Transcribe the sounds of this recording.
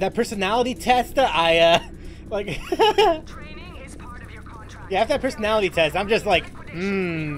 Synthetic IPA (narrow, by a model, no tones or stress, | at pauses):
ðɨt̚pʰɜ˞sɨnælˠəɾitʰɛstʌʔaɪʌ | laɪk | jæɨvðɨt̚pʰɜ˞sɨnælˠəɾitʰɛstãɪ̃md͡ʒʌst̚ˡlaɪk | m̩